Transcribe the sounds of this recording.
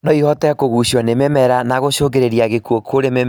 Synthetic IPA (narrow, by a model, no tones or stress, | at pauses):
nɔihɔtɛkoɣuɕɔnememɛɾanaɣoɕoɡeɾeɾiaɣekuokʰoɾemem